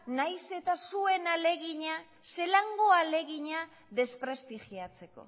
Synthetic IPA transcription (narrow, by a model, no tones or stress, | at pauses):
najse̞t̪asue̞nale̞ɣiɲa | se̞laŋɡoale̞ɣiɲa | ðe̞spɾe̞st̪iʝiat͡se̞ko̞̰